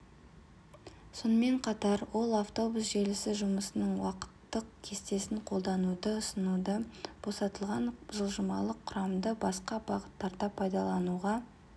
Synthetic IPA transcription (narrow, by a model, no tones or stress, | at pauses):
so̞nəme̞ɴqʰɑt̪ɑɾwo̞lˠaft̪o̞busʒe̞lɪsɪʒʊməsənəɴwɑqə̥t̪ːəqkʲʰe̞st̪e̞sɪɴqʰo̞lˠd̪ɑnud̪əʊsənud̪əb̥o̞sɑt̪əlˠʁɑnʒəlˠʒəmɑ̰lˠəqʰːʊɾɑmd̪əbɑsqɑbɑʁət̪ːɑɾd̪ɑpʰɑjd̪ɑlˠɑnuʁɑ